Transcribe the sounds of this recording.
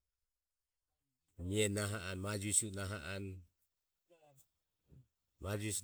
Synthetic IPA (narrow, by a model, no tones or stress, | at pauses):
ɲiɛnaɦaʔanmad͡ʒusunaɦaʔan | mad͡ʒus